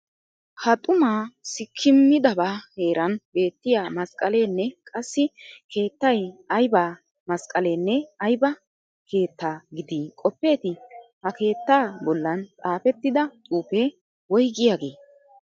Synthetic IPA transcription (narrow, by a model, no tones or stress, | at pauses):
hɐt̪ʼʊmaːsɪkʰːɪmːɪd̪ɐbaːhe̞ːɾʔɐnbe̞ːt̪ːɪjaːmɐskʼɐleːnːɛkʼɐsːɪke̞ːt̪ːɐjɐjbaː | mɐskʼɐle̞ːnːɛɐjbɐ | kʰe̞ːt̪ːaːɡɪd̪iːkʼɔpːe̞ːt̪ɪhɐke̞ːt̪ːaːbɔlːɐnt̪ʼaːfɛt̪ːɪd̪ɐt̪ʼuːpe | wɔjɡɪjaːɡe̞ː